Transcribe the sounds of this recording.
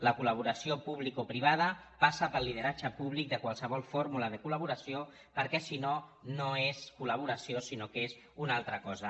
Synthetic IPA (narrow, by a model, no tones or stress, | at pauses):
ləkuləβ̞uɾəsiopuβ̞likopɾiβ̞að̞əpasəpəlið̞əɾad͡ʒəpuβlik̚d̪əkwalˠsəβ̞ɔlˠfoɾmuləðəkuləβ̞uɾəsio | pəɾkɛsinonoeskuləβ̞uɾəsiosinokez | unalˠt̪ɾəkɔzə